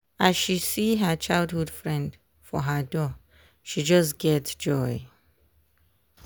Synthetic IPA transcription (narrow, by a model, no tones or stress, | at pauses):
ʔaz̥ʃisiɦət͡ʃaɪlˠdhudfɹɛ̃nd | fɔɦədɔ | ʃid͡ʒʌsɡ̥ɛtsd͡ʒɔɪ